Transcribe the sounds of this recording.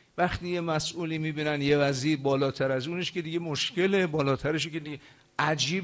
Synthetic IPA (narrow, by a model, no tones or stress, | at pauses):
væxt̪iːje̞mæsʔuːliːmiːbiːnænjevæziːɾbɒːlɒːt̪ʰæɾæzuːneʃke̞d̪iɡe̞moʃce̞lebɒːlɒːt̪ʰæɾeʃ̬eked̪iɡe | ʔæd͡ʒiːb